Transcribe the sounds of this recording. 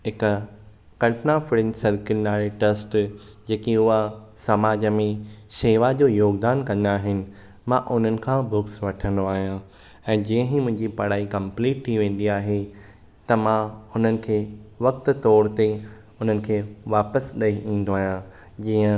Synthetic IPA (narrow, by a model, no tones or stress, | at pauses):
ɦɪk | kɐlpnafɪɽɪnsɐɾkɪnnaːɾeʈesʈ | d͡ʑeːkiʊɦasɐmaːd͡ʑəmẽʃeːʋad͡ʑoːjoːɡd̪aːnkɐ̃nd̪aːɦɪnɪ̆ | mãʔʊn̤ənɪ̆kʰãːbʊksʋɐʈʰə̃nd̪oaːɦijã | ɛ̃ːd͡ʑiːə̃ɦĩmʊ̃ɦɪ̃ɲd͡ʑipɐɽ̤aːikɐ̃mpliːʈ̚ʈʰiʋẽːn̆d̪iaːɦe | t̪ɐmãʊn̤ənɪ̆kʰeːʋɐk̚t̪ʊ̆t̪ɔːɾt̪e | ʊn̤ənɪ̆kʰeːʋaːpəsɗɐiʔĩːn̆d̪oaːɦijã | d͡ʑiːə̃